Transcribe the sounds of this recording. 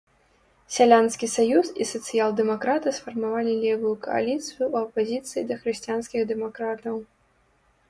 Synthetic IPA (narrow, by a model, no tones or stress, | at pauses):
sʲalʲanskʲisajusisɐt̪sɨjalˠd̪ɛmakɾat̪ɨsfɐrmavalʲilʲɛvujukɐ̰a̰lʲit̪sɨjuːɐpazʲit̪sɨjid̪ɐxɾɨɕʲt͡ɕʲijanskʲiɣd̪ɛmakɾat̪ɐw